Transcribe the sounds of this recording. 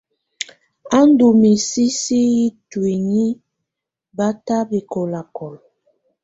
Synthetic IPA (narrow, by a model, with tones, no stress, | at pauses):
a˦n˦du˨mi˨si˦si˦ji˦twi˨ɲi˦ | ba˦ta˦bi˨ko˨la˨kɔ˨l